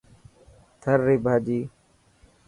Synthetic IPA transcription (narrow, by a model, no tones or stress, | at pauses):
t̪ʰəɾːiːbʱaːd͡ʒiː